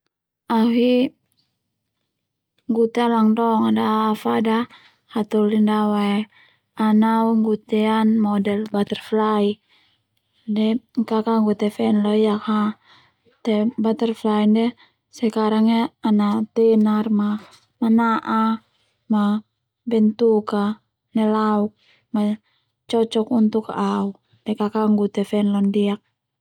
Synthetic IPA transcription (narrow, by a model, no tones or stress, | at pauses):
aɦi | ŋɡut̪ɛalaŋdɔŋadaːfada | hat̪ulindawaɛ | anauŋɡut̪ɛanmɔdɛlbat̪ɛrflai | dɛŋkakaŋɡut̪ɛfɛnlɔiaka | t̪ɛbat̪ɛrflaindɛ | sɛkaɾaŋaanat̪ɛnarma | manaʔa | ma | bɛnt̪uka | nɛlauk̚ | ma | t͡ʃɔt͡ʃɔkunt̪ukaʔau | dɛkakaŋɡut̪ɛfɛnlɔndiak̚